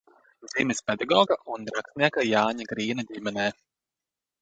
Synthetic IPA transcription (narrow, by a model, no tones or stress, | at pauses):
zʲimʲɛsʲpʲɛd̪aɡɔːɡaund̪ɾaksʲnʲiɛkajaːɲaɡɾiːnadʲimʲɛnɛː